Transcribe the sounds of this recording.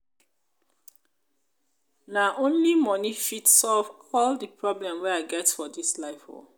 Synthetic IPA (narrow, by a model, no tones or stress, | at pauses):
naʔõnlimɔnifitsɔlvɔldəpɹɔblɛ̃mwɛaɪɡɛtfɔdislaɪfo̰